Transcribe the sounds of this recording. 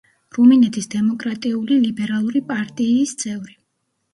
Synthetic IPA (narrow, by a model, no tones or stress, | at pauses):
ɾuminɛt̪ʰisd̪ɛmɔkʼɾat̪ʼiulilibɛɾalˠuɾipʼaɾt̪ʼiːst̪sʼɛvɾi